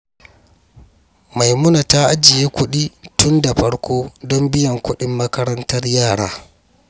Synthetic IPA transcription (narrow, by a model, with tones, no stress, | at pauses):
ma˨jmʊ˦na˨ta˦ʔa˦d͡ʒɪ˨jeː˦kʷʊ˦ɗiː˦tʊ˦nda˨ɸɐ˦ɽkʷoː˦dɔ˦mbɪ˦jɐ˨ŋkʷʊ˦ɗɪ˦mːɐ˦kɐ˦ɾɐ˦ntɐ˦rjaː˦˨ɽa̰ː˦